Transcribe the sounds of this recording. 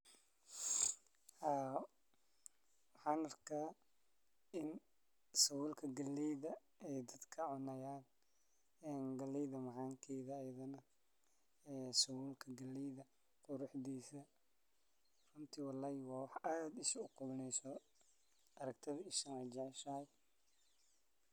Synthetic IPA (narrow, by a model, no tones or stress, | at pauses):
haː | wɑħɑːnɐrkʰaː | ʔɪn | sɐwuːlkʰɐɡɐlːɛjðɐ | ɛjd̪ɐd̪kʰɐʕʊnɐjaːn | ɛːnɡɐlɛjðɐmɑʕɑːŋkʰɛːðɐːjɐðɐnɐ | ɛːsɐwuːlkʰɐɡɐlːiðɐ | qʊɾʊħdiːsɐ | rʊnt̪ʰiwɑlːaːhɪwɑːwɑħaːd̪ɪʃʊqʊβɪnɛjsɔ | ɐɾɐɡ̚t̪ʰɐðɪʃɐnɐd͡ʒɑʕɛʃɐhɐj